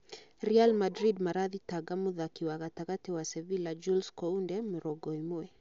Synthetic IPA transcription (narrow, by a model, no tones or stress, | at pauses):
ɾialmadɾidmaɾaðitaɡamuðakiwaɣataɣatiwasɛvilad͡ʒulskɔundɛmuɾɔɡɔimuɛ